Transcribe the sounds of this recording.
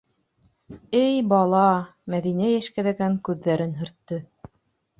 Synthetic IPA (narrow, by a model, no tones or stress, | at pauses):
ɘjbɑlˠɑmæðinæjæʃkæðæɡæŋkʉðːæɾɘnɦɵ̆ɾt̪ːɤ